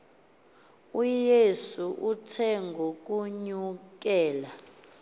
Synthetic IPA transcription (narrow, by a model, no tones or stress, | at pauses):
ujesuʔutʰɛŋɡʱok̬ʼuɲuk̬ɛːla